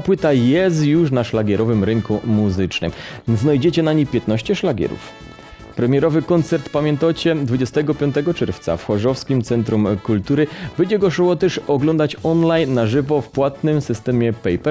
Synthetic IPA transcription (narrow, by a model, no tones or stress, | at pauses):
t̪apwɘt̪ajɛs̬t̪juʂnaʂlaɡʲɛɾɔvɘmɾɘŋkumuzɘt͡ʂnɘ̰mznajd͡ʑɛt͡ɕɛnaɲipʲjɛt̪̚nɔɕt͡ɕɛʂlaɡʲɛ̰ɾṵf | pɾɛmʲjɛɾɔvɘkɔnt̪sɛɾt̪pamʲjɛnt̪at͡ɕɛd̪vud͡ʑɛst̪ɛɡɔpʲjɔnt̪ɛɡɔt͡ʂɛɾft̪sa̰fxɔʐɔfskʲimt̪sɛnt̪ɾumkult̪uɾɘbɛd͡ʑɛɡɔʂɔwɔt̪ɛʂɔɡlɔnd̪at͡ɕɔnlajnːaʐɘvɔfpwat̪nɘmsɘst̪ɛmʲɛpɛjpɛ